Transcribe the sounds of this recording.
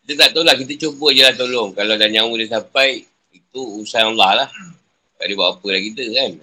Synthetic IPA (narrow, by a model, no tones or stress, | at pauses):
kit̪ət̪aʔt̪awlahkit̪̬ət͡ʃobəd͡ʒəlaht̪olɔŋkalawdaɲawudəs̬apaj | it̪uusanalahlah | t̪a̰ʔdiba̰ʔapəlakit̪əkan